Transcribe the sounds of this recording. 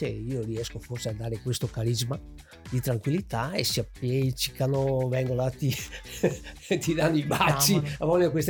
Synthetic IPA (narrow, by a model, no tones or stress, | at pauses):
eiːoɾiɛskoforsead̪ːaːɾekwest̪okaɾizma | d̪it̪ɾaŋkwilːit̪aesiapːjɛt͡ʃi̥kːanovɛŋɡolat̪i | t̪id̪anːoibat͡ʃːiavɔlːookwest̪